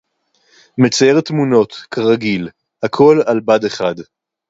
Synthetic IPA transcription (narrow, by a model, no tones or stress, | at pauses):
met͡sajeʁt̪muno̞t̪kʰaʁaɡil | akʰo̞lalbad̪e̞χad̪